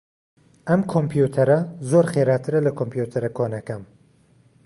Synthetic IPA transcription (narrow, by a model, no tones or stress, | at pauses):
ɐmkʰompʰjut̪ʰɐɾɐzoɾχeɾaːt̪ʰɨɾɐlɐkʰompʰjut̪ʰɐɾɐkʰoːnɐkɐm